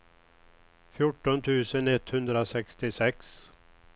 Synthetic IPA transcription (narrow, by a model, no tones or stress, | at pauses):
fjʊʈːɔnt̪ʰʉ̟ːsənɛt̪hɵnd̪ɾasɛkst̪ɪsɛks